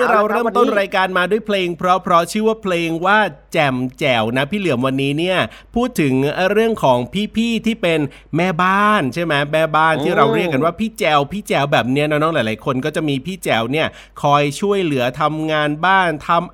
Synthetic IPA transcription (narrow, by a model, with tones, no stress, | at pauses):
ɯ˥˩ɾa˧wɾɤː˥˩˨t̪o˥˩nɾaː˧jkaː˧nmaː˧du˥˩əjpʰleː˧ŋpʰɾɔ˦˥pʰɾɔ˦˥t͡ɕʰɯː˥˩˨waː˥˩pʰleː˧ŋwaː˥˩t͡ɕɛ˨˩mt͡ɕɛː˨˩wna˦˥pʰiː˥˩lɯ˩˦əmwa˧nːiː˦˥ni˥˩ɐ | pʰuː˥˩t̪ʰːɯ˩˦ŋɾɯ˥˩əŋkʰɔː˩˦ŋpʰiː˥˩pʰiː˥˩t̪ʰiː˥˩pe˧n | mɛː˥˩baː˥˩nt͡ɕʰa˥˩jmɛ˦˥mɛː˥˩baː˥˩nt̪ʰiː˥˩ɾa˧wɾi˥˩kːa˧nwaː˥˩pʰiː˥˩t͡ɕɛː˧wpʰiː˥˩t͡ɕɛː˧wbɛː˨˩p̚ni˦˥ɐn˧˦˥nɔː˦˥˩lːjlaː˨˦jkʰo˧nkɔː˥˩t͡ɕa˨˩ʔmiː˧pʰiː˥˩t͡ɕɛː˨˩wni˥˩ɐ | kʰɔː˧jt͡ɕʰu˥˩əjlɯ˩˦ɐt̪ʰa˧mŋaː˧nbaː˥˩nt̪ʰa˧m